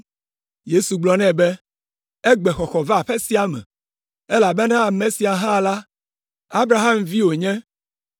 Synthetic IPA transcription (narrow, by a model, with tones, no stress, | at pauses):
je˦su˨ɡ͡blɔ˨nɛ̃˦bɛ˦ | ɛ˦ɡ͡bɛ˨xɔ˨xɔ˨va˦a˨ɸɛ˦si˦a˨mɛ̰̃˨ | ɛ˦la˨bɛ˦nã˦a˨mẽ˨si˨a˨ɦã˦˨la˦ | a˦bɾa˨ɦa˦mvi˦wo˨ɲɛ̃˦